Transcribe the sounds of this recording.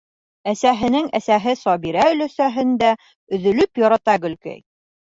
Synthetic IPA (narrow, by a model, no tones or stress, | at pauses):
æsæɦɘ̆nɘŋæsæɦɘsɒbiɾæɵ̆læsæɦɘ̆nd̪æ | ɵ̆ðɵ̆lɵpjɒɾɑt̪ɑɡɵ̆lkæ̰j